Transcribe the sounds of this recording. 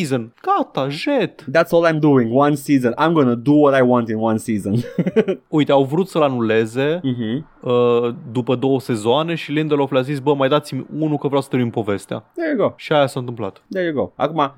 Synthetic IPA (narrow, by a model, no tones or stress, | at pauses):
izənɡ̥at̪aʒet̪d̪ætsɔlãjmd̪uɪ̃ŋwãnsizə̃nã̰jmɡonəd̪uwɔɾajwɑ̃ntɪ̃nwãnsizə̃n | ujt̪eawvɾut̪səlanuleze̞m̩ɦm̩ | əd̪upəd̪o̞wəse̞zoane̞ʃilĩnd̪əlofljazisbəmajd̪at̪simʲunukəvɾjawsə̥t̪ɾeuimpo̞ve̞st̪ea̰d̪ɛɹjuɡoʊʃiajasaɨnt̪ɨmpla̰t̪d̪ɛɹjuɡoʊʔa̰kuma